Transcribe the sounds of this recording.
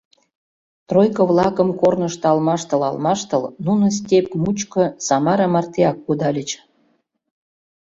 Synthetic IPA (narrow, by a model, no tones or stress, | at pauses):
t̪rojkəβlɑkəmkornəʃt̪ɤ̆ɑlmɑʃt̪ə̆lɑ̰lmɑʃt̪əlnunə̆s̬ʲtʲep̚mut͡ɕkə̆sɑmɑɾɑmɑrt̪eɑkːud̪ɑlʲət͡ɕ